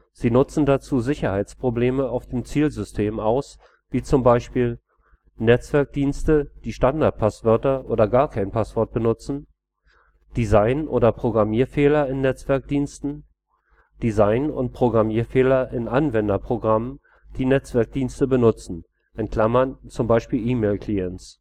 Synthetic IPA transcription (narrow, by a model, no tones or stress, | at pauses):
z̥iːnʊt͡sn̩dat͡suːzɪçɐhaɪt͡spʁ̥obleːməaʊfd̥eːmt͡siːlzʏstʰeːmaʊs | viːt͡sʊmbaɪʃpiːl | nɛt͡sv̥ɛɐk̚d̥iːnstəd̥iːʃtandaɐt̚pʰasv̥œɐtɐʔo̰ːdɐɡaːɐkʰaɪnpʰasv̥ɔɐt̚b̥ənʊt͡sn̩ | d̥izaɪnʔo̰ːdɐpʁ̥oɡʁamiːɐfeːlɐɪnːɛt͡sv̥ɛɐk̚d̥iːnstn̩ | d̥izaɪnʊ̰nt̚pʁ̥oɡʁamiːɐfeːlɐʔɪnʔanvɛndɐpʁ̥oɡʁamən | d̥iːnɛt͡sv̥ɛɐk̚d̥iːnstəbənʊt͡sn̩ | ʔɛnt̚kʰl̥amɐnt͡sʊmbaɪʃpiːlʔiːmeːlkʰl̥iɛnts